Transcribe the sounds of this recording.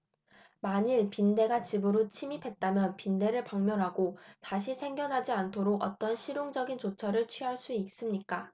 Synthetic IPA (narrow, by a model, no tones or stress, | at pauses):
maɲiɭpinde̞ɡat͡ɕibɯɾot͡ɕʰimipʰe̞t̚t͈amjʌnpinde̞ɾɯɭpaŋmjʌɾɦaɡotaɕ̬ʰisʰe̞ŋɡjʌnɦad͡ʑiantʰoɾoɡʌ̰t͈ʌnɕʰiɾjoŋd͡ʑʌɡint͡ɕot͡ɕʰʌɾɯɭt͡ɕʰɥiɦaɭs͈uis͈ɯmɲik͈a